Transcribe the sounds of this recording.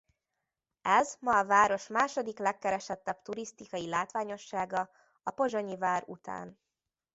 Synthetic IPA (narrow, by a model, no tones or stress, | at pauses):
ɛzmɒːvaːɾo̞ʃmaːʃo̞d̪iklɛkːɛɾɛʃɛt̪ːɛbt̪uɾist̪ikɒjilaːt̪ʋaːɲo̞ʃːaːɡɒ | ɒpo̞ʒoɲivaːɾut̪a̰ːn